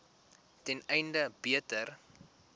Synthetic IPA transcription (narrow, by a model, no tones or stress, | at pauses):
tɛnɛjndəbiətər